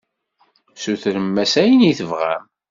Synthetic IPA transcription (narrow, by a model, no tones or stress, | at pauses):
suθɾəmːæsæjəniθəvʁæ̰m